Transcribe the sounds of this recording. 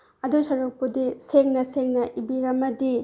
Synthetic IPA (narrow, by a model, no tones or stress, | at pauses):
ɐdusɐɾuk̚pudiseŋnɐseŋnɐʔibiɾɐmɐdi